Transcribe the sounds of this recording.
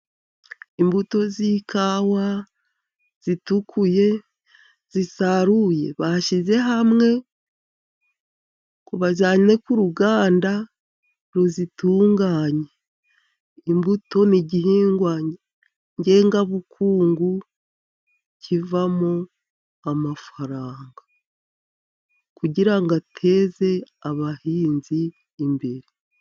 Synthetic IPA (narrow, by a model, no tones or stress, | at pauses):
imbuto̞zikʰawa | z̥itukʰuje̞ | z̥isaɾuje̞̰βaʃize̞ɦamŋe̞ | kuβazaːɲne̞kuɾuɡaːnda | ɾuzituːŋɡaːɲe | imbuto̞niɟiɦiːŋɡwa | ɲɟe̞ːŋɡaβukʰuːŋɡu | cʰivamo | amafaɾaːŋɡa | kuɟiɾaŋɡatʰe̞ːze̞aβahiːnziː | mbe̞ɾe